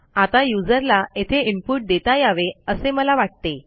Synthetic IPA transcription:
at̪ajud͡zəɾlaet̪ʰeimpuʈ̚d̪et̪ajaʋeəseməlaʋaʈ̚t̪e

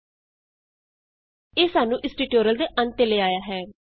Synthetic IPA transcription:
eːsaːnũːʔɪsʈiːʈoːɾəld̪eːʔənt̪eleːaːjaːɦɛː

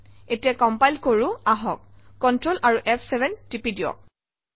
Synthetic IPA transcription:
etijakɔmpajlkoɹʊ̃aɦɔk̚ːɔntɹolʔaɹuʔɛpʰsɛbʱɛntipidiɔ̰

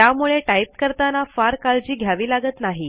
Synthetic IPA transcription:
jamuɭeʈaip̚kəɾt̪anafaɾkald͡ʑiːɡʱjaʋiːlaɡət̪naɦi

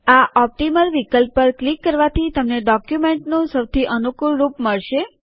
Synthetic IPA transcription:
aʔɔp̚ʈiməlʋikəlpːəɾklikːəɾʋat̪ʰit̪əmneɖɔkjumeɳʈnũsəwt̪ʰiʔənukulɾupməɭʃe

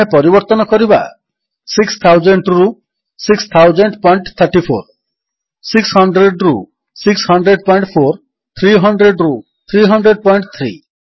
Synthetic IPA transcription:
epɔɾibɔɾt̪ɔnɔkɔɾiba̰ | sikst̪ʰawd͡ʒeɳʈɾu | sikst̪ʰawd͡ʒeɳʈpɔjɳʈt̪ʰəɾʈipʰoɾ | sikshɔɳɖɾeɖɾu | sikshʌɳɖɾeɖ̚pɔjɳʈpʰoɾ | t̪ʰɾiɦɔɳɖɾeɖɾu | t̪ʰɾiɦɔɳɖɾeɖ̚pɔjɳʈt̪ʰɾḭ

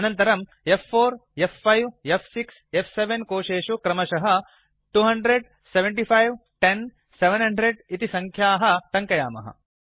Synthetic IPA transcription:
ɐnɐnt̪ɐɾɐm | efːoːɾefːɐjʋepʰsiksefʰseʋenkoːʃeːʃukɾɐmɐʃɐɦɐ | ʈuːɦɐɳɖɾeɖ̚ | seʋeɳʈipʰɐjʋʈen | seʋenɦɐɳɖɾeɖit̪isɐŋkʰjaːɦɐ̆t̪ɐŋkɐja̰ːmɐ̰ɦɐ̰

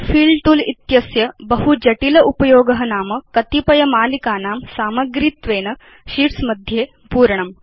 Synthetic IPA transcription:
fiːlʈuːlit̪jɐsjɐbɐɦud͡ʒɐʈilɐʔupɐjoːɡɐɦɐnaːmɐkɐt̪ipɐjɐmaːlikaːnaːmsaːmɐɡɾit̪ʋeːnɐ | ɕiːɾsmɐd̪ʱjeː | puːɾɳɐm

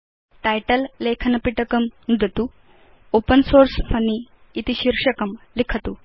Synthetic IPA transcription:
ʈajʈəlːekʰɐnɐpiʈɐkɐmnud̪ʱɐt̪u | opənsoɾsfʰɐniː | t̪iɕiɾʂɐkɐmlikʰɐt̪u

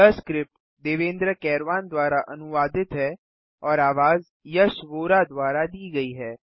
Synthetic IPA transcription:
əskɾɪp | d̪eːʋẽːnd̪ɾəkɛːɾʋaːnd̪waːɾaʔɐnʊʋaːd̪ɪt̪ɦɛ | ɔːɾaːʋaːz | jɐʃʋoːɾad̪waːɾad̪iːɡɐiɦɛː

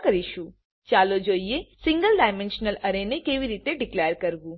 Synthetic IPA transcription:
kəɾiʃu | t͡ʃaːlod͡ʒoːijesɪ̃ŋɡəlɖaːɪmẽnʃnəlɐɾenekeːʋiɾiːt̪eɖɪkleːjəɾkɐɾɡu

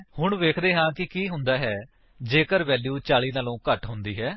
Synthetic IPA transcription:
hʊɳʋeːkʰd̪eːɦãːkɪkiːɦʊ̃nd̪aːɦɛː | d͡ʒeːkəɾʋɛːljuːt͡ʃaːliːnaːlõːkəʈɦʊ̃nd̪iːɦɛː

